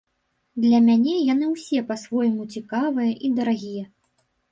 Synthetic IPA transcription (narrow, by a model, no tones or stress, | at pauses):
d̪lʲɐmʲanʲɛjanɨwsʲɛpɐsvɔjɐmut͡sʲikavɨjɐʔid̪ɐɾaɣʲijɐ